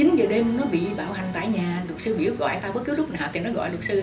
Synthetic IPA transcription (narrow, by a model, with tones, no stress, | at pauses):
t͡ɕï˨˦ŋ̟zəː˨˩ɗe˧mnɔ˨˦ɓḭ˧˨ɓaː˧˩wha˨˩ŋ̟t̪a̰ː˧˨jɲaː˨˩lʊ˨˩k̚sɨ˧ɓḭ˧˩əw̚ɣɔ̰˧˨jt̪aː˧ɓə˦˥t̚ki˨˦wlʊ˦˥k͡p̚naː˨˩wt̪i˨˩nɔ˨˦ɣɔ̰˧˨jlt̚sɨ˧